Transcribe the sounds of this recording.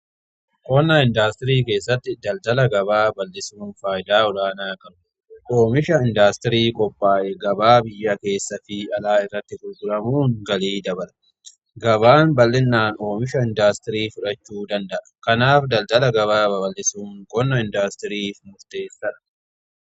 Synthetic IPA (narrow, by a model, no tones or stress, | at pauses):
kʼɔnːɐɪnd̪aːst̪ɪɾiːke̞ːsːɐt̪ːɪd̪ɐld̪ɐlɐɡɐbaːbɐlːɪsuːnfaːjɪd̪aːɔlaːnaːkɐɾʊ | ʔo̞ːmɪʃɐɪnd̪aːst̪ɪɾiːkʼɔpʼːaːʔɛɡɐbaːbɪjːɐke̞ːsːɐfɪɐlaːɪrːɐt̪ːɪɡʊlɡʊɾɐmuːŋɡɐliːd̪ɐbɐlɐ̥ | ɡɐβaːnbɐlːɪnːaːno̞ːmɪʃɐɪnd̪aːst̪ɪɾiːfʊᶑɐt͡ʃːuːd̪ɐnd̪ɐʔɐ̥kɐnaːfd̪ɐld̪ɐlɐɡɐβaːbɐbɐlːɪsuːŋkʼɔnːɐɪnd̪aːst̪ɪɾiːfmʊɾt̪e̞ːsːɐᶑɐ̥